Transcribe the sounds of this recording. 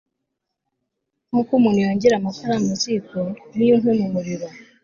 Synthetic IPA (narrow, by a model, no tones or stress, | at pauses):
mukumunujoːɲɟeɾamafaɾamusikonijunemumuɾiβo